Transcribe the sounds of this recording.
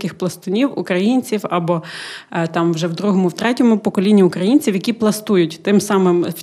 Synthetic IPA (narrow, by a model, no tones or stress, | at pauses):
kɪxplˠɐst̪ɔnʲiwʊkɾɐjinʲt͡sʲiwɐbɔ | t̪ɑmʋwʒɛwd̪ɾuɦɔmʊwt̪ɾɛtʲɔmʊpɔkɔlʲinʲːiʊkɾɐjinʲt͡sʲiwjɐkʲiplˠɐst̪ujʊtʲt̪ɪmsɑmɪm